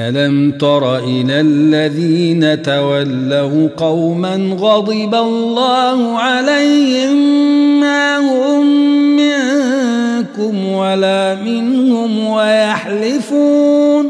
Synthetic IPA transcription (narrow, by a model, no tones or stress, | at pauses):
ʔalamt̪ɑɾˤɑʔɪlalːaðiːnat̪awalːaqɑwmanɣɑd̪ˤɨbalːɑːhʊʕalajhɪmːaːhʊmːɪ | kʊmwalaːmɪnhʊmwajaħlɪfuːn